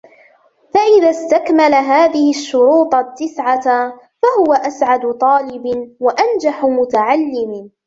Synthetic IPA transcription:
faʔɪðast̪akmalaɦaːðɪhɪʃːʊɾuːt̪ˤt̪ːɪsʕa | fahʊwaʔasʕad̪t̪ˤɑːlɪbwaʔand͡ʒaħʊmʊt̪aʕalːɪmɪ

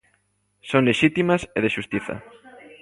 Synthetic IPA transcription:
soŋleʃit̪imaseðeʃust̪iθɐ̰

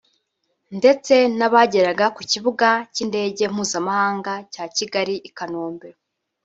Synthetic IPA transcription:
nde̞t͡se̞naβaɟe̞ɾaɡakuciβuɡacinde̞ːɟe̞m̥uːzamahaːŋɡacaːciɡaɾiʔikano̞ːmbeɾo

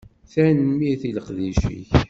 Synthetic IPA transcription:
θænəmiθiləqðiʃḭç

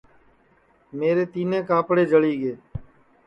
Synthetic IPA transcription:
meːɾeːt̪iːnẽːkaːpɽeːd͡ʒəɭiːɡeː

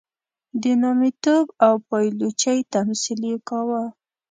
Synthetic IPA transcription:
d̪ənɑmit̪obawpɑjlot͡ʃajt̪amsilekawa

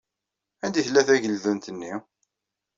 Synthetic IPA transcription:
ænd̪iθlːæθæʝəlðunt̪ənːi

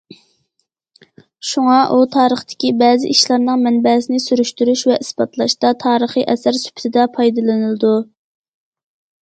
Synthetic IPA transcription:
ʃuŋɑʔut̪ʰɑːɾəχt̪ɪ̥kʲibɛːzɪ̰ʔiʃlˠɑɾnɨŋmɛnbɛsɪnɪsyɾyʃt̪yɾyʃvɛʔisbɑt̪lˠɑʃt̪ɑt̪ʰɑːɾəχiʔɛsæɾsy̥pʰt̪ʰɪd̪ɛpʰɑjd̪ɨlˠɨnɨlˠɨd̪u

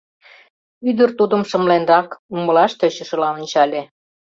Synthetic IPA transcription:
yd̪ə̆rt̪ud̪ə̆mʃə̆mlenrɑkumə̆lɑʃt̪øt͡ɕə̆ʃɤ̆lɑŏnʲt͡ɕɑlʲe

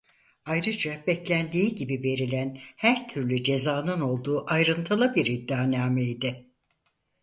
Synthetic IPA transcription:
ajɾɯd͡ʒabɛclʲænd̪iːɟibive̞ɾilʲænhæɾt̪ʰyɾlʲyd͡ʒe̞zaːnɯno̞lˠd̪uːʔajɾɯnt̪ʰɯlˠabiɾid̪ːaːnaːmeid̪ɪ

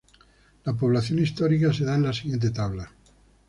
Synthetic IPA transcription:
lap̬o̞β̞laθjonist̪oɾikas̬eðaenlasiɣje̞nt̪̬et̪aβla

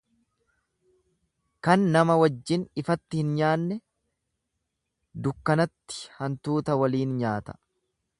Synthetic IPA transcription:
kɐnːɐmɐwɐd͡ʒːɪnɪfɐt̪ːɪhɪnɲaːnːɛ | d̪ʊkːɐnɐt̪ːɪ̥hɐnt̪uːt̪ɐwɐliːnɲaːt̪ɐ̥

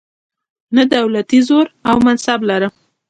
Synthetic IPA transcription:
nəd̪awlat̪izoɾawmansablaɾəm

